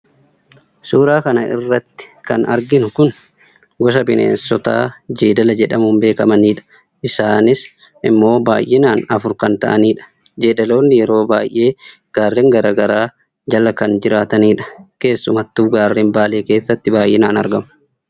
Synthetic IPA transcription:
suːɾaːkɐnɐɪ̰rːɐt̪ːɪ̥kɐnɐ̰ɾɡɪnʊkʊn | ɡɔs̬ɐbɪnḛːnsɔt̪a̰ːd͡ʒiːd̪ɐlɐd͡ʒɛᶑɐmʊmbe̞ːkɐmɐniːᶑɐ̥ | ʔɪsaːnɪs | ʔɪmːo̞ːba̰ːjʔɛnaːnɐfʊɾkɐnt̪ɐ̰ʔɐniːᶑɐ̥ | d͡ʒeːd̪ɐlo̞ːnːɪjɛɾo̞ːbaːjʔːe̞ː | ɡ̥aːrːeŋɡɐɾaːɡɐɾaː | d͡ʒɐlɐkɐnd͡ʒɪɾaːt̪ɐniːᶑɐ̥ke̞ːsːʊmɐt̪ːuːɡaːrːembaːleːke̞ːsːɐt̪ːɪbaːjʔɛnaːnɐɾɡɐmʊ̥

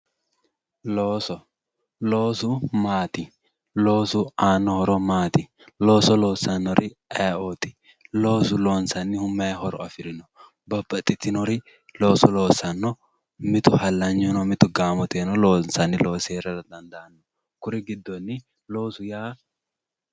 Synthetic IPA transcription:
loːsɔ | loːsʊmaːt̪ɪ | loːsʊaːnːɔhɔɾɔmaːt̪ɪ | lo̞ːsɔlo̞ːsːɐnːɔɾɪɛot̪ɪ̥ | lo̞ːsʊlo̞ːnsɐnːɪhʊmːɐhɔɾɔɐfɪɾɪnɔ̥ | bɐbːɐt̪ʼːɪt̪ːɪnɔɾɪ | lo̞ːsɔlo̞ːsɐnːɔ | mɪt̪ʊhɐlːɐɲːunɔmɪt̪ʊɡaːmɔt̪eːnɔloːnsɐnːɪlo̞ːseːɾɐdɐd̪ɐnd̪ɐʔɐnːɔ | kʊɾɪɡɪd̪ːɔnːɪ | lo̞ːsʊjaː

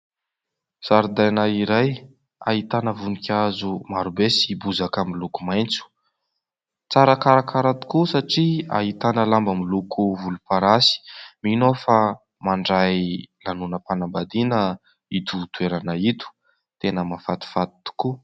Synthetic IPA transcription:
saɾud̪ajnaiɾaj | a̰ɦit̪anəvunikʲazumaɾubesibuzakamilukumajnt͡su̥ | t͡saɾakaɾakaɾat̪u̥kusaʈ͡ʂia̰ɦit̪anəlambamilukuvulupaɾasi̥minofa | maɳɖ͡ʐajlanunəpanambad̪inə | it̪ut̪ueɾanait̪u̥ | t̪enəmafat̪i̥fat̪i̥t̪u̥ku

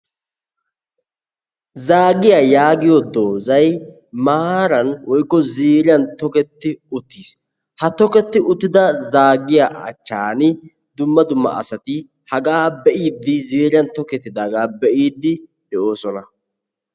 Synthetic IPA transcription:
zaːɡɪjajaːɡɪjɔd̪o̞ːzɐj | maːɾɐnwɔjkːɔziːɾɪjɐnt̪ɔkɛt̪ːɪʊt̪ːiːs | hɐt̪ɔkɛt̪ːɪʔʊt̪ːɪd̪ɐzaːɡɪjaːʔɐ̰t͡ʃːaːnɪ | d̪ʊmːɐd̪ʊmːɐ̰ʔɐ̰sɐt̪ɪ | hɐɡɐaːbɛʔiːd̪ːɪziːɾɪjɐnt̪ɔkɛt̪ːɪd̪aːɡaːbɛʔiːd̪ːɪd̪ɛʔo̞ːsɔnɐ

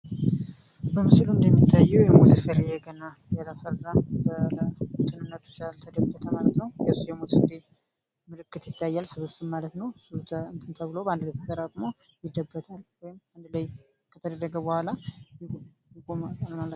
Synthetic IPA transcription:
bəmɨsluɨnd̪əmːit̪ʰːajːɛwjɛmusifəɾejɛɡəna | jaləfərːəmbələt̪ʰɨnɨnːət̪ʰu̥t͡ʃalt̪ʰəd̪əbːət̪ʰəmalət̪nəwjɛsjɛmosɨfɾe | mɨlɨkːɨt̪jɪt̪ʰːajːalsɨβɨst̪ɨmmalət̪nəwst̪ʰnt̪ʰɨmt̪ʰəβɨloband̪ləjt̪ʰət̪ʼəɾaɡ̪ʼmo | jɪd̪ːəbːət̪ʰalwɔjɪmand̪ləj | kʰət̪ʰəd̪ərːəɡəbəhʷalaj | jɪkʼomaalmalə

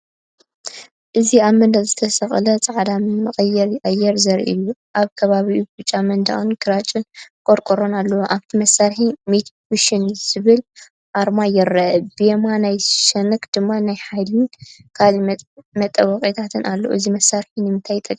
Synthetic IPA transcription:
ʔɨziaβmɐnd̪ɐzɨt̪ʰɐsɐxʼlɐt͡sʼaʕd̪ammɨxʼɐjːɛɾjʼɐjɛɾzɐɾʔḭjuʔaβkʰɐβaβiubbɨt͡ʃʼːamɐnd̪a̰ʔunɡɨɾat͡ʃʼɨnkʼoɾkʼoɾonalːɐwoʔaβt̪ʰimɐsaɾħimet̪ʰwuʃɪnzɨβɨl | ʔaɾmajɪɾɐʔbemanajʃɐnɨkd̪̥ɨmːanajħajlɨnkʰalmɐt̪ʼːɐwɐχʼit̪ʰat̪ʰɨnʔalːoʔṵʔɨzimɐsːaɾħinɨmɨnt̪ʰajt̪ʼɐkʼ

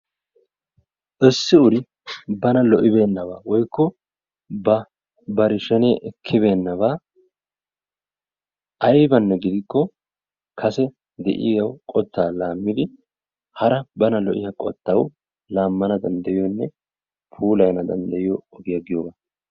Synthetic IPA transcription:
ʔɪsːɪʊɾɪ | bɐnɐlɔʔɪbe̞ːnːɐβaːwɔjkːɔ | bɐ | bɐɾɪʃɛneːʔɛkʰːɪbe̞ːnːɐβaː | ʔɐjbɐnːɛɡɪd̪ɪkːɔ | kʰɐsɛ | d̪ɛ̰ʔɪ̰jɐwkʼɔt̪ːaːlaːmːɪd̪ɪ | hɐɾɐbɐnɐlɔʔɪjɐkʼɔ̰t̪ːɐw | laːmːɐnɐd̪ɐnd̪ɐjɪjɔnːɛ | pʰuːlɐjnɐd̪ɐnd̪ɐjɪjɔɔɡɪjɐɡɪjoːba

